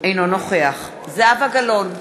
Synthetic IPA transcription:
ejnonoχeaχ | zeavaɡalon

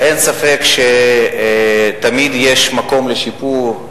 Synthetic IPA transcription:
ʔensafe̞kʃe | t̪amid̪jeʃmako̞mleʃipuʁ

